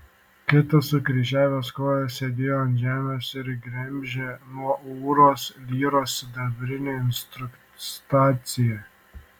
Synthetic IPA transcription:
kʲɪt̪ɐsʊkɾʲiːʒʲæːʋʲoːskoːjɛsʲed̪ʲeːjoɐnʒʲæːmʲɛsɪɾɡɾʲɛmʲʒʲeːnuɔuːɾoːslʲiːɾoːsd̪ɐbʲɾʲɪnʲeɪnst̪ɾʊk | st̪ɑːt̪sʲɪjɛ

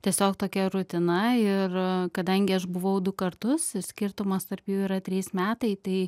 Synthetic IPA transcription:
t̪ʲiɛsʲoːkt̪oːkʲɛɾʊt̪ʲɪnɐɪrkɐd̪ɐŋʲɡʲɪɐʃbʊʋɐʊd̪ʊkɐɾt̪ʊsɪsʲkʲɪɾt̪ʊmɐst̪ɐrpjuːiːɾɐt̪ʲɾʲiːsmʲæːt̪ɐɪt̪ɐɪ

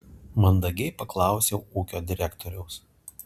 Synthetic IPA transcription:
mɐnd̪ɐɡʲɛɪpɐklˠɑˑʊsʲɛʊuːkʲoːd̪ʲɪɾʲækt̪ʰoːɾʲɛʊs

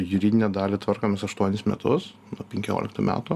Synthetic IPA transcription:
jʊɾʲiːd̪ʲɪnʲɛd̪ɑːlʲɪt̪ʋɐrkoːmʲɪsɐʃt̪uɔnʲɪsmʲɛ̰t̪ʊs | nuɔpʲɛŋʲkʲo̰ːlʲɪkt̪uːmʲæ̰ːt̪uː

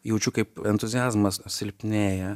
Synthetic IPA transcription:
jɛʊt͡ʃʲukɐɪpɛnt̪ʊzʲɪjæːzmɐssʲɪlʲpʲnʲeːjɛ

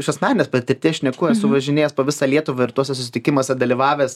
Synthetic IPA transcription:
ɪʃɐsnɑːnʲɪnʲeɛspɐt̪ʲɪɾʲt̪ʲiːʃʲnʲɛkuːɛsʊʋɐʒʲɪnʲeːjɛspoːʋʲɪsɑːlʲiɛt̪ʊʋɐɪɾt̪uɔsʲɛsʊsʲɪt̪ʲɪkʲɪmoɔsʲɛd̪ɐlʲiʋɑːʋʲeːs

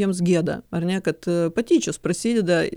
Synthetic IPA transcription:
emzɡʲed̪ɐ̰ɐrnʲakɐt̪pɐtʲit͡ɕʊspɾɐsʲilʲd̪a

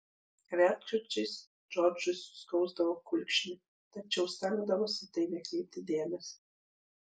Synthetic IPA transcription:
ʋʲæt̪kʊt͡ʃʲɛɪs | d͡ʒɔɾd͡ʒʊsskɒʊzd̪ɐʋoːkʊlʲkʃʲɪnʲɪ | t̪ɐt͡ʃʲɛʊsʲt̪ʲæːɡd̪ɐʋoːsʲɪt̪ɐɪnʲɛkʲɛɪp̚t̪ʲɪd̪ʲeːmʲɛs

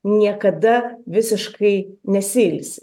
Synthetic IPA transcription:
nʲiɛkɐd̪ɐʋʲɪsʲɪʃkɐɪnʲɛsʲilʲsʲ

